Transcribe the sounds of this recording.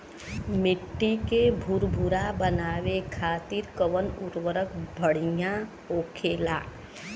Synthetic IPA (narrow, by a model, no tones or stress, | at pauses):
mɪʈːikebʱʊɾbʱuɾabənaːʋekʰaːt̪iːɾkəʋənʊɾwəɾəkbʱəɽ̤ɪjã | oːkʰeːla̰ː